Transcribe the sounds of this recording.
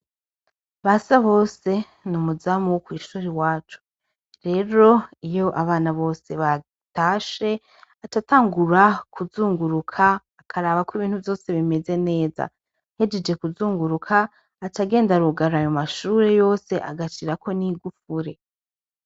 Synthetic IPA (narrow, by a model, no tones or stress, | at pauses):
βasaβo̞ːse̞ | numuzamukwiːʃuːɾiwaːt͡ʃu̥ | ɾe̞ːɾo̞ijo̞ʔaβaːnaβo̞ːse̞βa | taːʃe̞ | atataːŋɡuɾakuzuːŋɡuɾukʰaː | kʰaɾaːβakwiβiːnhuvjo̞ːse̞βime̞ze̞ne̞ːza̰ | he̞d͡ʒed͡ʒe̞kuzuːŋɡuɾukʰaː | taɡe̞ːndaɾuɡaɾajomaʃuːɾe̞jo̞ːse̞ʔa̰ɡat͡ʃiɾako̞niɡufuɾe̞